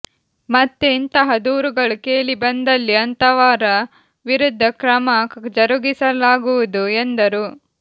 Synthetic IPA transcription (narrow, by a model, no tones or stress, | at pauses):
mɐt̪ːeint̪ɐɦɐd̪uːɾuɡɐɭukeːlibɐnd̪ɐlːiɐnt̪ɐʋaːɾɐ | ʋiɾud̪ʱːɐkɾɐmɐd͡ʒɐɾuɡisɐlaːɡuʋud̪uend̪ɐɾu